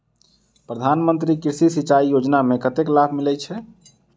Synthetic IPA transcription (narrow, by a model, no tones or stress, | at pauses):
pɾəd̪ʱanmənt̪ɾikiɾsisit͡ʃaijod͡ʒnamekət̪eklabʱmilɛt͡ʃʰɛ